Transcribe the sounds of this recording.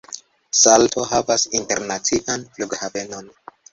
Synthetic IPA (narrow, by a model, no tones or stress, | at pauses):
saltʰo̞ɦavasinte̞ɾnat͡siʔanfluɡhave̞no̞n